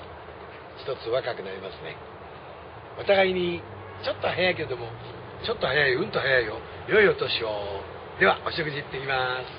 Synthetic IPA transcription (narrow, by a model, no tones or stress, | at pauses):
çi̥t̪o̞t͡sɨβakakɯ̟naɾʲimasɨne̞̰ | ot̪aɡaiɲ̟i | t͡ɕo̞t̪ːo̞hajaik̬e̞ɾed̪omo̞ | t͡ɕo̞t̪ːo̞hajaiɯ̟̃nt̪oɦajaio̞ | jo̞io̞t̪o̞ɕio | d̪e̞βaʔoɕokɯ̟d͡ʑit̪ːe̞kʲimasɨ̥